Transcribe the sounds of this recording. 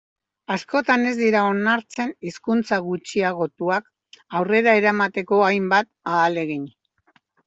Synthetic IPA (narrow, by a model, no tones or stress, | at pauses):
asko̞t̪ane̞zd̪iɾao̞naɾt͡se̞niskunt͡saɣut͡ʃiaɣ̞o̞t̪uak | awre̞ɾae̞ɾamat̪e̞ko̞ajmbat̪̚aːle̞ɣiɲ